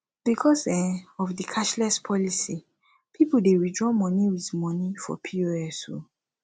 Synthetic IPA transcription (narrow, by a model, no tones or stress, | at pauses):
b̥ikʰɔsɛɔfdikʰaʃlɛspʰɔlisi | pʰipudeɹidɹɔmɔ̃niwiθmɔ̃nifɔ̰pʰioɛso̰